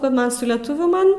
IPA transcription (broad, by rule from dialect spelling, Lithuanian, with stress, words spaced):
kɐ ˈmɐn sʊ lʲɛˈtʊʋʲuː ˈmɐn